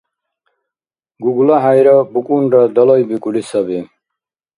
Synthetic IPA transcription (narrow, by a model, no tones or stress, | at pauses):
ɡuɡulaɦajɾɔbukʼunɾad̪ɔlɔjbikʼulisʌbi